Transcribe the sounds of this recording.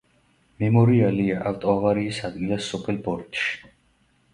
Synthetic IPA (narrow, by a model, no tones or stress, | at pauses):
mɛmɔɾialiaʔaft̪ʼɔavaɾiːsad̪ɡilasɔpʼɛlbɔɾt̪ʼʃi̥